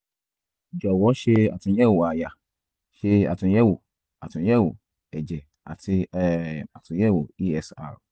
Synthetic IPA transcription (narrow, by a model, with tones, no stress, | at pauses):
d͡ʒɔ˨wɔ˨˦ʃe˧a̰˨tũ˧˦jɛ˦˨wo˨a˨ja˨ | ʃe˧a̰˨tũ˧˦jɛ˦wo˨ | a˨tũ˨˦jɛ˦˨wo˨ | ɛ˨d͡ʒɛ˨ | a̰˨ti˧˦ | a˨tũ˨˦jɛ˦˨wo˨i˦ɛ˧sa̰˧˨ɾ